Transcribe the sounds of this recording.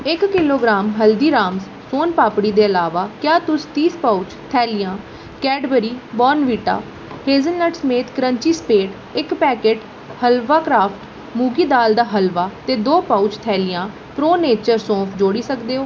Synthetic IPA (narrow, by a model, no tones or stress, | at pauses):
ɪkːɪloːɡɾaːmɦəld̪iːɾaːms | soːnpaːpɽiːd̪eːəlaːʋaːkjaːt̪ʊst̪iːspaʊt͡ʃt̪ʰɛːlɪjãː | kɛːɖbəɾiːbɔːnʋiːʈa̰ː | heːzənləʈsəmeːt̪kəɾə̃ɲt͡ʃiːspeːʈ | ɪkpɛːkeːʈ | həlʋaːkɾaːpʰʈ | muːɡiːd̪aːld̪aːɦəlʋaːt̪eːd̪oːpaːut͡ʃt̪ʰɛːlɪjãː | pɾoːneːt͡ʃəɾsõːpʰd͡ʒoːɽiːsəkd̪eːoː